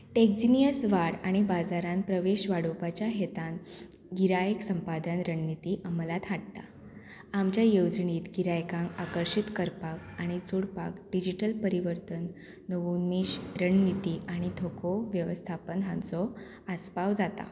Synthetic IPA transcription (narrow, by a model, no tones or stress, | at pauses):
ʈek̚d͡ʑinijəsʋaɽaɽ̃ibad͡zaɾanpɾəʋeɕʋaɽopat͡ɕjaɦet̪ãn | ɡiɾajəksəmpad̪ʱənɾəɳnit̪iːʔəməlat̪ʰaɽt̪a | amt͡ɕjajowd͡zɳiːt̪ɡiɾajkãŋakəɾɕit̪kəɾpak̚aɽ̃it͡suɽpa̰kɖid͡ʑiʈəlpəɾiʋəɾt̪ənː | əʋuniɕɾəɳnit̪iaɽ̃it̪ʰokʰoʋjəʋəst̪ʰapənɦãnt͡sɔ | aspaʋd͡zat̪a̰